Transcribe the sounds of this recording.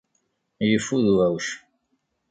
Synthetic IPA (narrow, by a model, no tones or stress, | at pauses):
jəfːuðuæwʃ